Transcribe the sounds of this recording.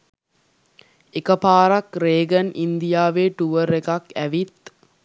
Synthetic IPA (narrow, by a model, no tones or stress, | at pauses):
ekəpaːɾakɾeːɡənʔind̪ijaːʋeːʈuʋəɾekakæʋit̪